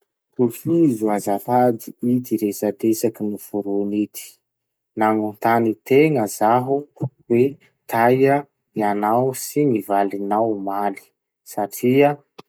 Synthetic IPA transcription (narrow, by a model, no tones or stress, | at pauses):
t̪ufizuazat̪ad̪iid̪iɾesad̪esakinifuɾunit̪i̥ | naŋunt̪anit̪eŋəzaɦu | we | t̪ʰajə | ianawsiŋivalinawmali̥ | saʈ͡ʂiə